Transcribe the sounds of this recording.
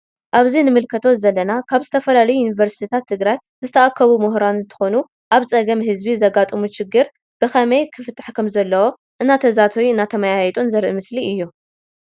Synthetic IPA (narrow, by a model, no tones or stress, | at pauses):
ʔaβzinɨmɨlkʰɐt̪ʰozɐlːɐnakʰaβzɨt̪ʰɐfɐlalɐjujunivɐɾsit̪ʰit̪ʰat̪ʰːɨɡɾaj | zɨt̪ʰɐʔakʰːɐβumʊɦɾanɨnt̪ʰɨ̥xo̞nu | ʔaβt͡sʼɐɡɐmɦɨzbizɐɡat̪ʼɨmuʃɪɡːɨɾ | b̥ɨxɐmɐjkʰɨfɨt̪ʰʼːḁħkʰɐmzɐlːɐwo̞ | ʔɨnːat̪ʰɐzat̪ʰɐwiɨnːat̪ʰɐmajajɛt̪ʼunzɐɾʔɨmɨsliʔɨjːu